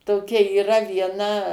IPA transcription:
toːˈkʲɛ iːˈrɐ ʋʲiɛˈnɐ

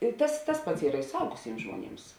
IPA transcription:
ɪ ˈtɐs tɐs ˈpɐts ˈiːrɐ ɪ sʊˈɐʊɡʊsʲɪms ʒmuɔˈnʲɪms

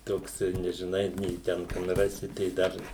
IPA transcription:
ˈtoːks nʲɛʒʲɪˈnɐɪ nʲɛɪ ˈtʲɛn kɐn ˈrɑːsʲɪ tɐɪ ˈdɐr

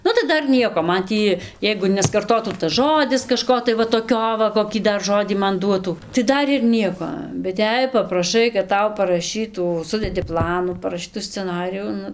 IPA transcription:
ˈnʊ tɐɪ ˈdɐr ˈnʲiɛkoː ˈmɐn ˈtʲiː ˈjɛɪɡʊ nʲɛskɐrˈtoːtuː tɐs ˈʒoːdʲɪs kɐˈʃkoː tɐɪ ˈʋɐ toːˈkʲoː ʋɐ koːˈkʲiː ˈdɐr ˈʒoːdʲiː ˈmɐn ˈduɔtuː tɐɪ ˈdɐr ɪr ˈnʲiɛkoː bʲɛt ˈjɛɪ pɐprɐˈʃɐɪ kɐt ˈtɐʊ pɐrɐˈʃʲiːtuː ˈsʊdʲɛdʲɪ ˈplˠɑːnuː pɐrɐˈʃʲiːtʊ sʲt͡sʲɛˈnɑːrʲɪjuː ˈnʊ

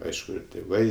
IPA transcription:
ˈɐɪʃkʊ ɪr tʲeːˈʋɐɪ

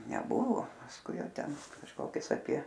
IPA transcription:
nʲɛˈbʊʋoː pɐsˈkʊɪ ˈjɛʊ ˈtʲɛn kɐʃˈkoːkʲʊs ɐpʲiɛ

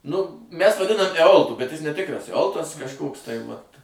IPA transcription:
nʊ ˈmʲæs ʋɐˈdʲɪnɐm ɛˈoːlˠtʊ bʲɛt ˈjɪs nʲɛˈtʲɪkrɐs ɛˈoːlˠtɐs kɐʃˈkoːks tɐɪ ʋɐt

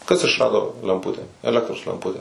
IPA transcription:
kɐs ɪʃˈrɑːdoː lʲɛmˈpʊtʲɛ ɛˈlʲæːktroːs lʲɛmˈpʊtʲɛ

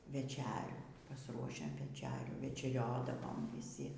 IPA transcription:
ʋʲɛˈt͡ʃʲæːrʲuː pɐsˈruɔʃʲɛm ʋʲɛˈt͡ʃʲæːrʲuː ʋʲɛt͡ʃʲɛˈrʲoːdɐʋoːm ʋʲiːˈsʲɪ

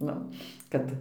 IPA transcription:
ˈnʊ ˈkɐt

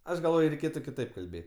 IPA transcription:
ˈɐʃ ɡɐlˠˈʋoːj ˈrʲɛɪˈkʲeːtʊ kʲɪˈtɐɪp kɐlʲˈbʲeː

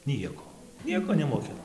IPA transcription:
ˈnʲiɛkoː ˈnʲiɛkoː nʲɛmoːˈkʲɪnɐ

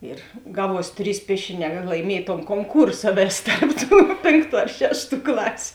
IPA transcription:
ɪr ˈɡɑːˌʋuɔs ˈtʲrʲiːs ˈpʲiɛʃʲɪˌnʲɛː kɐt lˠɐɪˈmʲiɛj toːn koːŋˈkuːrsɐ ˈʋʲeːs ˈtɐrp ˌtuː ˈpʲeːŋˌktuː ɐr ˈʃʲæːʃˌtuː ˈklˠɑːsʲʊ

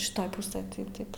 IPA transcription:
ʃʲɪˈtoːj ˈpʊsɘj tɐɪ ˈtɐɪp

